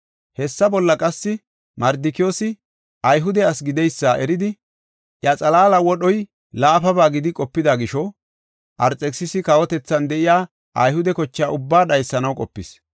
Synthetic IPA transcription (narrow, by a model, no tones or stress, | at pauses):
hɛsːɐbɔlːɐkʼɐsːɪ | mɐɾd̪ɪkɪjo̞ːsɪ | ʔɐjɦʊd̪ɛɐsɡɪd̪ɛjsːaːʔɛɾɪd̪ɪ | ʔjɐt͡sʼɐlaːlɐwɔɗɔj | laːfɐbaːɡɪd̪ɪkʼɔpːɪd̪aɡɪʃɔ | ʔɐɾt͡sʼːɛksɪsɪkɐwɔt̪ɛt͡sːɐnd̪ɛʔɪjaː | ʔɐ̰jhʊd̪ɛkɔt͡ʃːɪaːʔʊbːaːɗɐjsːɐnɐwkʼɔpːɪs